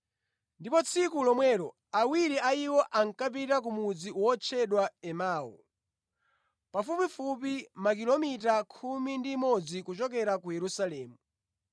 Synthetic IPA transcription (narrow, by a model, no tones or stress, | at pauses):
ndipɔt͡sʰikulɔmwɛɾɔ | awiɾiʔaiwɔʔaŋkap̬itak̬umud͡ziwɔt͡ʃʰɛɗwaɛmaːɔ̰ | pafupifup̬imakilɔmitakʰumindimɔd͡zikut͡ʃɔkɛɾakujɛɾusalɛːmu